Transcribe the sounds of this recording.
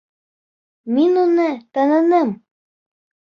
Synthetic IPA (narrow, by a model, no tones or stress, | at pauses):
minunɤt̪ɑnɤ̆nɤm